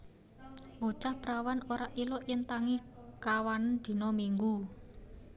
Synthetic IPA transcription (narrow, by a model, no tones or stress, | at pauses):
bot͡ʃahpɾawanoɾaʔilɔʔjɪnt̪aŋikawand̪̥i̤nɔmiŋɡu